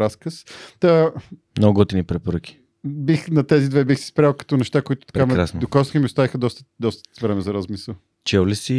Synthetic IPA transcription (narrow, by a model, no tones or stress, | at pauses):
ɾaskəst̪amnoɡɔt̪inipɾɛpoɾəkʲi̥ | bixnɐt̪ɛzid̪vɛbixsi̥spɾalˠkɐ̥t̪ɔnɛʃt̪akʊit̪ʊ̥t̪ɐ̥pɾkɛamɛɾasnd̪okɔsximiʊst̪avixəd̪ɔst̪ə̥d̪ɔst̪ə̥vɾɛmɛzɐɾazmisəlˠ | t͡ʃɛwlisi